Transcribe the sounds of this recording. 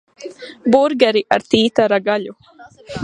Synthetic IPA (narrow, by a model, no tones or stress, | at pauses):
buɾɡaɾiʔaɾt̪iːt̪aɾaɡaʎu